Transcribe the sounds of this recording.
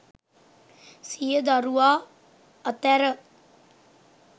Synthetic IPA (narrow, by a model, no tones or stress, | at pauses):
sijəd̪aɾuaː | ət̪ɛɾə